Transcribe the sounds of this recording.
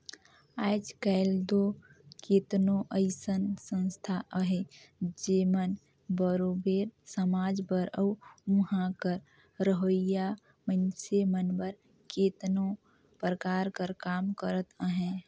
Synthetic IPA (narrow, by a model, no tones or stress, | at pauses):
aːd͡ʒkəɪld̪okeːt̪noʔəɪsənsə̃nst̪ʰaʔəɦed͡ʒemən | bəɾobeːɾsəmaːd͡ʒbəɾəːũɦãkəɾ | ɾəɦoija | mənsemənbəɾ | ket̪no | pɾəkaːɾkəɾkaːmkəɾət̪əɦɛ̃